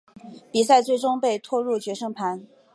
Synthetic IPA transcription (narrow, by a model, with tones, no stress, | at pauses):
pi˨˩sa˥˧ɪt͡swe˥˩ɪʈ͡ʂʊ˥ŋpe˥˧ɪt̪ʰwɔ˥˧ɻu˥˩t͡ɕɥɛ˧˥ʂɤ˥ŋpʰa˧˥n